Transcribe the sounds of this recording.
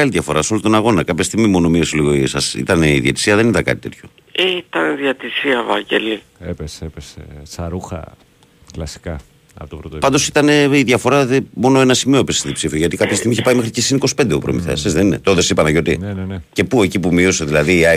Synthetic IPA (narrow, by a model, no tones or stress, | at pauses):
ɐliðʝɐfo̞ɾɐso̞lont̪o̞nɐɣo̞nɐkɐpçest̪iɣmimo̞no̞mio̞seliɣoisɐsḭt̪ɐneiðjḛt̪i̥siɐðe̞nit̪ɐkɐ̰t̪it̪t̪ʰço | eit̪ɐniðiɐt̪isiɐvɐɲɟḛli | epeseepesesɐɾuxɐ̰ | klɐsi̥kɐ | ɐ̰pot̪opɾot̪pɐnd̪osit̪ɐne̞iðʝɐfo̞ɾɐðemo̞no̞enɐsimiopesiðipsifioʝɐt̪ikɐpçɐst̪iɣmiçepɐimexɾicesiniko̞si̥pe̞nd̪eupɾo̰miθḛsezðeninḛt̪ooðosipɐnɐʝo̞t̪innnece̞pue̞cipumio̞se̞ðilɐðiɐ